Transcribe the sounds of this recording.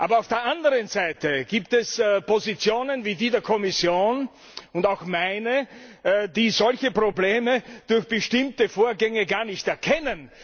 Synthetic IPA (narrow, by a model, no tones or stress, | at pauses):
ʔaːbɐaʊfd̥eːɐʔandəʁənzaɪtəɡ̥iːptɛspʰozit͡sjoːnənviːdiːdeːɐkʰɔmɪsjoːn | ʊntaʊxmaɪnə | diːzɔlçəpʁ̥obleːməd̥ʊɐçb̥əʃtɪmtəfoːɐɡɛŋəɡaːɐnɪçtɛɐkʰɛnən